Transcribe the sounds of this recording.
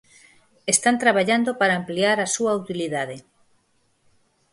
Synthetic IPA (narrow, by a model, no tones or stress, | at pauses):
est̪ant̪ɾaβaʎand̪opaɾaːmpliaɾasuaut̪iliðaðe